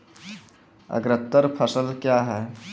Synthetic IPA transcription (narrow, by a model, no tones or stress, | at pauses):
ə̰ɡɾət̪ːəɾpʰəsəlkjaɦɛ